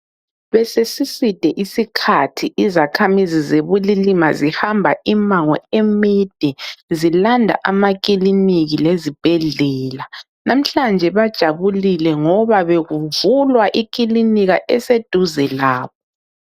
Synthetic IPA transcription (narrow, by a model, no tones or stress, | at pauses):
βɛsesisid̥ʱɛʔisikʰatʰiʔizakʰamizizeβulilimazihambʱaʔimaŋɔ̰ɛmid̥ʱɛzilandʱa̰ʔamak̬ʼiliniɣilezib̥ʱɛɮɛːla | nam̩ɬand͡ʒʱɛβad̥ʒ̥ʱaβulilɛŋɔβaβeɣuvulwaʔik̬ʼiliniɣaʔɛsed̥ʱuzɛlaːβɔ